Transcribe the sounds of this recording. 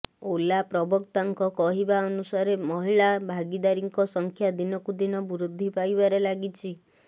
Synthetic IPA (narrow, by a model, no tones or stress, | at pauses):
olapɾɔbɔkt̪aŋkɔkɔɦibaɔnusaɾemɔɦiɭabʱaɡid̪aɾiŋkɔsɔŋkʰjad̪inɔkud̪inɔbuɾud̪ʱːipajbaɾelaɡit͡ʃʰi